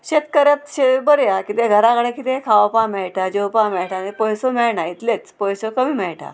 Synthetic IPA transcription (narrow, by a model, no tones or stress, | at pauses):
ɕet̪kəɾət̪ɕebəɾjakit̪ẽɡʱəɾakəɽekit̪ẽkʰaʋpãmɛɭʈʰad͡ʑewpãmɛɭʈʰanepɔjsomɛɭɳait̪let͡spɔjsokəmiːmɛɭʈʰa̰